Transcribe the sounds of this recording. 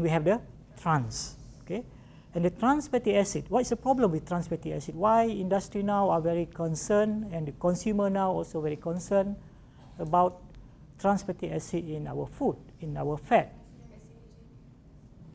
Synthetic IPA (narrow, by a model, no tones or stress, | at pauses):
ɛ̃nwiɦɛvdə | tʰɹãns | oke | ɛ̃ndətɹãnspətiɛsit̚wɔtsdəpɹɔblə̃mwiθt̪ɹãnspətiɛsit̚wajĩndastɹinawavɛɹikɔ̃nsənɛ̃ndəkɔ̃nsjumənawɔlsovɛɹikɔ̃nsən | əbawt̚ː | ɹãnspətiɛsitĩna̰wəfudĩnawəfɛt̚